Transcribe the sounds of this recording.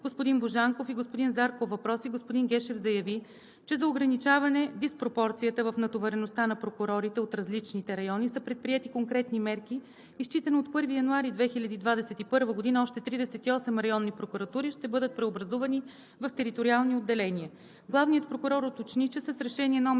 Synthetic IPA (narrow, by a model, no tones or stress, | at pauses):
ɡ̥ospʊd̪inboʒaŋkofiɡospʊd̪inzaɾkovɐpɾɔsiɡospʊd̪inɡʲɛʃɛvzɐjɐvi | t͡ʃɛzɐoɡɾɐnit͡ʃavɐnɛd̪ispɾopɔɾt̪sijət̪əvɐfnɐt̪ovɛɾɛnost̪anɐpɾokuɾɔɾit̪ɛot̪ɾɐzlit͡ʃnit̪ɛɾɐjɔnisəpɾɛt̪̚pɾiɛt̪ikoŋkɾɛt̪nimɛɾkiː | st͡ʃit̪ɛnoːt̪pɤɾvijɐnuaɾid̪vɛxilʲɐd̪iːd̪vad̪ɛsɛt̪ipɤɾvəɡod̪inəɔʃt̪ɛt̪ɾid̪ɛsɛt̪iɔsɛmɾɐjɔnːipɾokuɾɐt̪uɾiʃt̪ɛbɤd̪ət̪̚pɾɛobɾɐzuvɐni | vɐft̪ɛɾit̪oɾialˠniod̪ːɛlɛniə | ɡlˠavnijət̪̚pɾokʊɾɔɾot̪ot͡ʃnit͡ʃɛsəsɾɛʃɛniɛnɔ